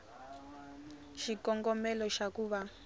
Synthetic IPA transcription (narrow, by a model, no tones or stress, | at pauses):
ʃikɔŋɡɔmɛlɔʃakuːβa